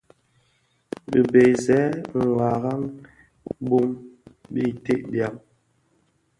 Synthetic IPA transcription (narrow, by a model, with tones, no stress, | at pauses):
bi˨be˨zɛ˨˦ŋ̩˨ɡa˨ɣa˦ŋ | bu˦mbi˦te˦ʔbja˨m